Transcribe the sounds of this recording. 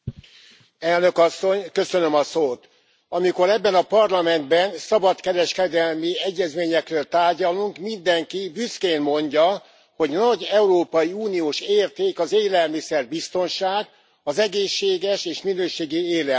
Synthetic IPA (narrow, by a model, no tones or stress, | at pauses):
ɛlnø̞kɒsːo̞ɲkø̞sø̞nø̞mɒsoːt̪ | ɒmiko̞ɾɛbːɛnɒpɒrlɒmɛnd̪bɛnsɒbɒt̪kɛɾɛʃkɛd̪ɛlmiɛɟːɛzmeːɲɛkrøːlt̪aːrɟɒluŋkmind̪ɛŋkibyskeːnmo̞ɲɟɒ | ho̞ɟnɒɟɛuɾoːpɒjiuːnioːʃeːrt̪eːkɒzeːlɛlmisɛrbist̪o̞nʃaːɡ | ɒzɛɡeːʃːeːɡɛʃeːʃminøːʃeːɡieːlɛ